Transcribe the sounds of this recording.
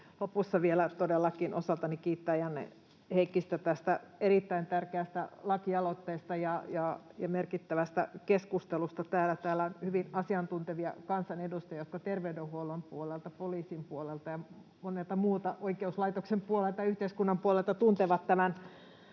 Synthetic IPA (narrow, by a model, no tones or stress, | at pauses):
lopusːɑʋielæt̪odelːɑkinʔosɑlt̪ɑnikiːt̪ːæjɑnːḛ | heikːist̪æt̪æst̪æerit̪ːæint̪ærkeæst̪æ̰lɑkiɑlot̪ːeːst̪ɑjɑjɑjɑmerkit̪ːæʋæst̪æ̰keskust̪elust̪ɑt̪æːlæt̪æːlæonhyʋinɑsiɑnt̪unt̪eʋiɑ̰kɑnsɑnedust̪ɑjɑjot̪kɑt̪erʋeydehuolompuolelt̪ɑpoliːsimpuolelt̪ɑjɑ | monelt̪ɑmuːt̪ɑʔoikeuslɑit̪oksempuolelt̪ɑjɑyht̪eiskunːɑmpuolelt̪ɑt̪unt̪eʋɑt̪tæmæn